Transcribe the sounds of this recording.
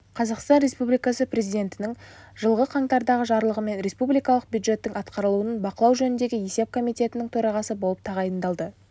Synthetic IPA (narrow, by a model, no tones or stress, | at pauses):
qʰɑzɑqst̪ɑnɾe̞spublijkɑsəpɾe̞zijd̪ʲe̞nt̪ɪnɪŋ | ʒəlˠʁəqʰɑŋt̪ɑɾd̪ɑʁəʒɑɾlˠəʁəme̞nɾe̞spublijkɑlˠəq̚bjud̪ʒe̞t̪ːɪŋɑt̪qɑɾəlˠuənənbɑqəlˠɑwʒɵnɪnd̪e̞ɡʲɪje̞se̞p̚kʰo̞mijt̪e̞t̪ɪnɪŋt̪ʰɵɾɑʁɑsəbo̞lˠəp̚t̪ʰɑʁɑjənd̪ɑlˠd̪ə